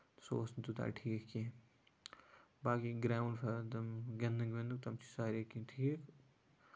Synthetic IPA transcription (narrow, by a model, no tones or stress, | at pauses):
so̰ːsnt̪ut̪a̰ːʈʰiːkkĩ | baːkiɡɾaːuɳɖfʰɐd̪ɐmɡɐnd̪ɨŋɡʋend̪uk̚t̪ɐmt͡ʃʰi̥saːɾekiʈʰiːk